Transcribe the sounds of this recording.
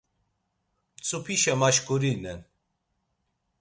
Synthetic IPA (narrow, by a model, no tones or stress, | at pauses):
t͡sʼupʰiʃɛmaʃkʼuɾinɛn